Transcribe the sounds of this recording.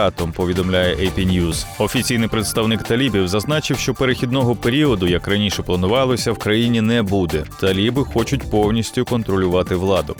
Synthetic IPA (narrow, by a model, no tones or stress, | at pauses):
ɑt̪ɔmpɔʋʲid̪ɔmlʲajɛʔɐjpʲinʲjuz̥ɔfʲit͡sʲijnɪjpɾet̪st̪ɐwnɪkt̪ɐlʲibʲiwzɐznɑt͡ʃɪwʃt͡ʃɔpeɾexʲid̪̚nɔɦɔpeɾʲiɔd̪ʊjɐkrɐnʲiʃɛplˠɐnʊʋɑlˠɔsʲɐwkɾɐjinʲinɛbud̪ɛt̪ɐlʲibɪxɔt͡ʃʊtʲpɔwnʲisʲtʲʊkɔnt̪ɾɔlʲʊʋɑt̪ɪʋlˠɑd̪ʊ